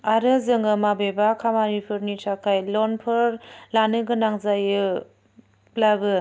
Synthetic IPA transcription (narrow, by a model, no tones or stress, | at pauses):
aɾɯzɯŋɯmabebakʰamaɾipʰɯɾnitʰakʰajlɔnpʰɯɾlanɯɡɯnaŋzajɯ | plabɯ